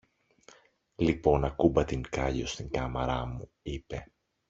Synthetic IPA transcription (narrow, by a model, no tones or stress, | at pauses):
lipo̞nɐkubɐt̪iŋkɐʎo̞st̪iŋkɐmɐɾɐmu | ipe̞